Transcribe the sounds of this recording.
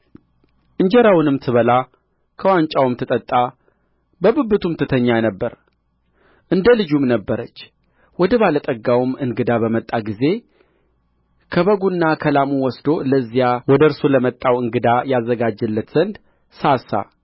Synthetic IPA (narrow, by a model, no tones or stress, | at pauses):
ʔɨɲd͡ʒɛɾawnɨmt̪ʰɨβəla | kʰəwaɲt͡ʃʼawumt̪ʰɨt̪ʼət̪ʼːa | bəbɨbːɨt̪ʰumt̪ʰɨt̪ʰəɲːajnəbːəɾ | ʔɨnd̪əlɨd͡ʒumnəbːəɾət͡ʃː | wɔd̪əβalət̪ʼəɡawumɨnɡɨd̪abəmət̪ʼːaɡize̞ | kʰəβəɡunːakʰəlamuwɔsd̪oləzːijawɔd̪əɨɾsuləmət̪ʼːawɨŋɡɨd̪ajazːəɡad͡ʒːɨlːət̪z̥ənd̪ | sasa̰